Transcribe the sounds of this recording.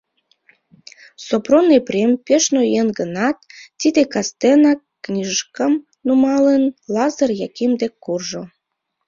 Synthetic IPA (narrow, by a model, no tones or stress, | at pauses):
sopronepɾʲempeʃnojenɡənɑt̪ːid̪ekɑst̪enɑkːnʲiʒəʃkəm | numɑlənlɑzərjɑkimd̪ekːurʒo